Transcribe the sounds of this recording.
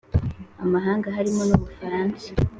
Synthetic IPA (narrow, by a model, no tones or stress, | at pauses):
amaɦaːŋɡaɦaɾimo̞noβufaɾaːnsḁ